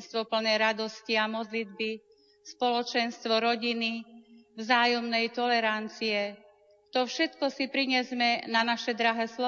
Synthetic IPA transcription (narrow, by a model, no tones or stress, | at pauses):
nst̪ʋɔpl̩nɛjɾad̪ɔsciamɔd̪lid̪bi | spɔlɔt͡ʃɛnst̪ʋɔɾɔɟinivzaːjɔmnɛjt̪ɔlɛɾant͡siɛ | t̪ɔfʃɛt̪kɔsipɾiɲɛzmɛnanaʃɛd̪ɾaɦɛːslɔ